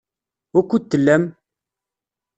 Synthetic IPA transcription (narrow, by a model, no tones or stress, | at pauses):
ʊkʷːut̪ːəlːæm